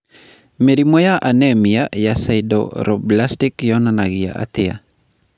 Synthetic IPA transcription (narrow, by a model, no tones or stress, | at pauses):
meɾimɔjaʔanɛmɪjajasaɪdɔ̰ɾɔblastɪkjɔnanaɡɪja̰ʔa̰t̪ɪa̰